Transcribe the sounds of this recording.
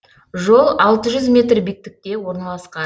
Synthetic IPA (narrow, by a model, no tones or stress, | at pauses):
ʒo̞lˠɑlˠt̪əʒʏzmʲe̞t̪rbik̚t̪ɪk̚t̪e̞wo̞ɾnɑlˠɑsqɑ